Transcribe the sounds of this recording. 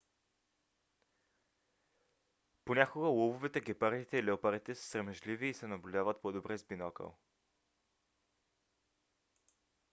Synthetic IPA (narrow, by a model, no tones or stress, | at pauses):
ponʲakoɡəlˠobovɛt̪ɛɡʲɛpaɾd̪it̪ɛilɛopaɾit̪ɛsə̥sɾɛmɛʒliviːsɛnɐblʲud̪avət̪pod̪obɾɛzbinɔkə̰